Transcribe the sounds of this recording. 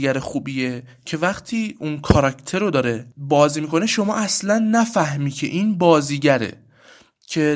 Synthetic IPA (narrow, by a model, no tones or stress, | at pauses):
æɾexuːbiːe | cʰe̞væχt̪ʰiːunkʰɒɾɒcʰt̪ʰe̞ɾod̪ɒːɾe̞bɒːziːmiːkʰo̞ne̞ʃo̞mɒ̰ːʔæslænːæfæhmiːcʰe̞̰ʔiːnbɒːziːɟæɾḛ | cʰe̞